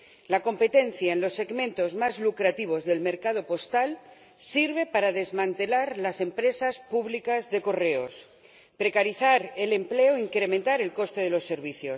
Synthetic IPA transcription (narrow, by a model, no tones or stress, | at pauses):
lako̞mpe̞t̪e̞nθjaenlo̞sːe̞ɣmẽ̞nt̪o̞zmazlukɾat̪iβ̞o̞zðe̞lme̞ɾkað̞o̞po̞st̪al | siɾβ̞e̞paɾaðe̞zmãnt̪e̞laɾlase̞mpɾe̞saspuβlikazðe̞ko̞re̞os | pɾe̞kaɾiθaɾele̞mple̞oiŋkɾe̞mẽnt̪aɾe̞lko̞st̪e̞ð̞elo̞sːe̞ɾβ̞iθjo̞s